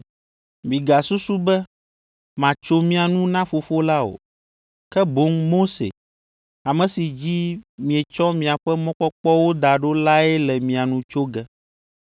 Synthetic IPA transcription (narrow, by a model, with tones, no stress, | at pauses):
mĩ˨ɡa˨su˦su˦bɛ˦ | mã˨t͡ʃo˦mĩ˦a˨nũ˦nã˦fo˨fo˦la˦o̰˨ | kɛ˦bo˦ŋmo˦sḛ˨ | a˨mɛ̃˨si˨d͡ʑi˦mĩ˨ɛ˨t͡ʃɔ˦mĩ˨a˨ɸɛ˦mɔ̃˦k͡pɔ˦k͡pɔ˦wo˦d̪a˨ɖo˦la˦ɛ˦lɛ˨mĩ˨a˨nũ˨t͡ʃo˦ɡɛ˦